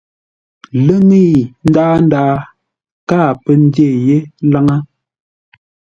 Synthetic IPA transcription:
lə˦ŋi˦˨n̩˦daː˦n˦daː˦ | kaː˦˨pə˦n˦de˦˨je˦la˦ŋa˦

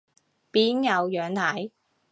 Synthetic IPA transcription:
piː˨˥njɐ˨˧wjœː˨˧ŋt̪ʰɐ˨˥j

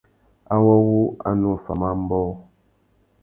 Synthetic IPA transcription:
a˦wɔ˦wu˦a̰˦nu˦˨fa̰˨ma˦m̩˦bɔː˦

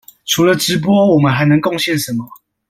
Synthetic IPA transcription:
ʈ͡ʂʰu˨˥lə˨ʈ͡ʂɻ̩˧˦˥p̬wɔ˦wɔ˨˩mə˨nxa˨˧˥ɪnɤ˧˦ŋkɔ˥˨˧ŋɕjɛ˥˨nʂə˨˦nmɔ˨˦

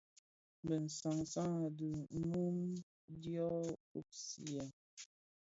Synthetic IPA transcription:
bə˨n̩˨sa˨ŋsa˦ŋ˨də˨˦mu˦m | djɔ˦u˦p̚sḭ˨ɛ˨

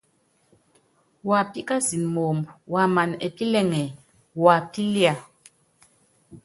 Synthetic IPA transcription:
wa˨pi˦ka˦si˨nmo˨mbwa˨ma˨ne˨pi˦lɛ˦˨ŋɛ˨ | wa˨pi˦lja˨

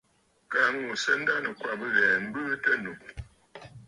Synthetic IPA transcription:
ka˨ŋu˦˨sə˦n̩˦da˦nə˨kwa˦˨bə˦ɣɛː˨m̩˦bɨ˦tə˦nu˨

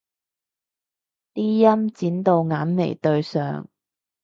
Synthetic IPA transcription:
t̪iː˥jɐ˥mt͡siː˨˥nt̪o˨˧wŋaː˨˥nmḛ˨˩jt̪ɵ˧ɥsœ̰ː˨ŋ

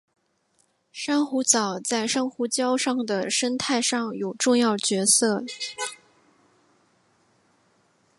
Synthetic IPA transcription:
ʂa˥nxu˧˥t͡sɑ˨˩ʊt͡sa˥˩ɪʂa˥nxu˧˥t͡ɕjɑ˥ʊʂɑ˥˩ŋd̪ə˩ʂə˥nt̪ʰa˥˧ɪʂɑ˥˩ŋjo˨˩ʊʈ͡ʂʊ˥˧ŋjɑ˥˩ʊt͡ɕɥɛ˧˥sɤ˥˩

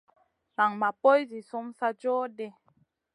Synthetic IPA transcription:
na˨ŋma˨po˦jzi˨so˦msa˦d͡ʒɔː˦de˦

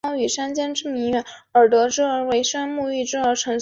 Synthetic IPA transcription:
ʊy˨˩ʂa˥nt͡ɕjɛ˥nʈ͡ʂɻ̩˥mi˧˥ŋɥɛ˧˥nə˞˨˩t̪wɤ˧˥ʈ͡ʂɻ̩˥ə˞˧˥we˧˥ɪʂa˥nmu˥˧i˥˩ʈ͡ʂɻ̩˥ə˧˥ʈ͡ʂʰɤ˧˥ŋ

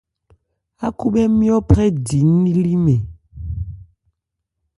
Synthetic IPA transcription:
a˦ku˦ɓɛ˦mi˦ɔ˦pɾɛ˦di˨˦nːi˦li˦mɛ˨

